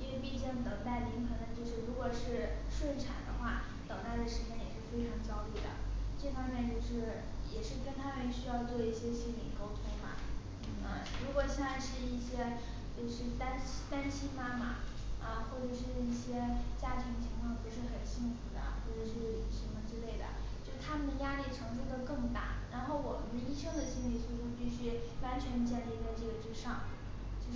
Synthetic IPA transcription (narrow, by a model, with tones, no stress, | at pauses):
i˥nwe˥˧ɪpi˥˧t͡ɕi˥˩ŋt̪ɤ˨˩ŋt̪a˥˩ɪli˧˥ŋxɤ˧˥ŋd̪ə˧t͡ɕjo˥˧ʊʂɻ̩˥˩ɻu˧˥kwɔ˨˩ʂɻ̩˥˧ʂwə˥˩nʈ͡ʂʰa̰˨˩nd̪ə̰˦xwa˥˩ | t̪ɤ˨˩ŋt̪a˥˩ɪd̪ə˩ʂɻ̩˧˥t͡ɕjɛ˥njɛ̰˨˩ʂɻ̩˥˩fe˥ɪʈ͡ʂʰɑ˧˥ŋt͡ɕjɑ˥ʊli˥˩d̪ə̰˩ʈ͡ʂɤ˥˩fɑ˥ŋmjɛ˥˧nt͡ɕjo˥˧ʊʂɻ̩˥˩ | jɛ˨˩ʂɻ̩˥˩kə˥nt̪ʰa˥mə˧˨nɕy˥jɑ˥˧ʊt͡swɔ˥˧i˥˩ɕjɛ˥ɕi˥t̪ʰḭ˨˩ko˥ʊt̪ʰʊ˥ŋmɐ̰˨˥˩ | ə˧˩ɻu˧˥kwɔ˨˩ɕjɛ˥˧nt͡sa˥˧ɪʂɻ̩˥˧i˥˩ɕjɛ˥ | t͡ɕjo˥˧ʊʂɻ̩˥˩t̪a˥nt͡ɕt̪a˥nt͡ɕʰi˥ma˥ma̰˨˩ | ə˧xwɔ˥˩ʈ͡ʂɤ˨˩ʂɻ̩˥˧i˥˩ɕjɛ˥t͡ɕja˥t̪ʰi˧˥ŋt͡ɕʰi˧˥ŋkʰwɑ˥˩ŋpu˧˥ʂɻ̩˥˩xə˨˩nɕi˥˩ŋfu˧˥d̪ə̰˧xwɔ˥˩ʈ͡ʂɤ˨˩ʂɻ̩˥˩˧li˧˥˩ɕi˧˥ŋd̪ə˧ʈ͡ʂɻ̩˥˧le˥˩ɪd̪ə̰˩ | t͡ɕjo˥˧ʊʂt̪ʰa˥mə˨nd̪ə˩ja˥li˥˩ʈ͡ʂʰɤ˧˥ŋʂ̬ə˥d̪ə˨kɤ˥˧ŋt̪a̰˥˩ɻa˧˥nxo˥˩ʊwɔ˨˩mə˦nd̪ə˧i˥ʂɤ˥ŋd̪ə˨ɕi˥nli˥˧˩sʰu˥˧ʈ͡ʂu˥˧pi˥˩ɕy˥wa˧˥nt͡ɕʰɥɛ˧˥nt͡ɕjɛ˥˧nli˥˧t͡sa˥˧ɪʈ͡ʂɤ˥˩ɡə˩ʈ͡ʂɻ̩˥ʂɑ˥˩ŋ | t͡ɕjo˥˧ʊ˥